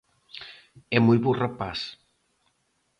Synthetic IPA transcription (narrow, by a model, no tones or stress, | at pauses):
ɛmujβurapas